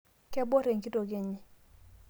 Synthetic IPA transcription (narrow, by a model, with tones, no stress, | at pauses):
kɛ˦bɔ˦ɾe˨ŋki˦to˨ɡe˨ɲɪ˦